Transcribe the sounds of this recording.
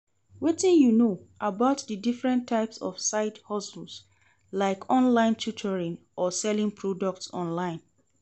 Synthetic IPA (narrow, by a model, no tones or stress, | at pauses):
wetĩnjunoʔabaʊtdədifɹɛ̃ntʰːaɪpsɔ̰fsaɪthɔsl̩s | laɪkʰɔ̃nlãɪ̃ntʰutʰəɹɪ̃ŋ | ʔɔsɛlɪ̃ŋpʰɹɔdɔk̚tsɔ̰̃nlãɪ̃n